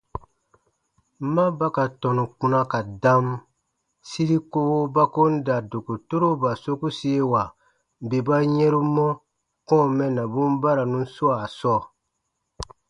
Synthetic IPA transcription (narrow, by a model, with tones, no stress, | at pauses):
ma˦ba˦ka˨tɔ̃˨nũ˨k͡pũ˨na˦ka˨dã˦m | si˦ɾi˦ko˦wo˦ba˦ko˦n̩˦da˨do˨ku˨to˦ɾo˦ba˨so˦ku˦si˦e˦wa˨ | be˨ba˦ɲɛ˦ɾu˦mɔ˦ | kɔ̃˦˨mɛ̃˨na˨bũ˦m˦ba˦ɾa˨nũ˦n˦su˦a˨sɔː˦˨